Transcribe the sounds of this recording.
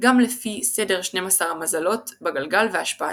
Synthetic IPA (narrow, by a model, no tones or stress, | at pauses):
ɡamlefisede̞ʁʃne̞jmasaʁamazalo̞tbeɡalɡalveaʃpaa